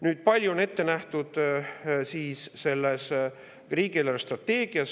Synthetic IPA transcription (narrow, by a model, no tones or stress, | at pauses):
nyːd̪̥̚pɑlʲjuonet̪ːe̞næht̪ud̪̥siːsːe̞lːes | riːɡ̥ieleɾst̪rɑt̪ːe̞ːɡ̥iɑs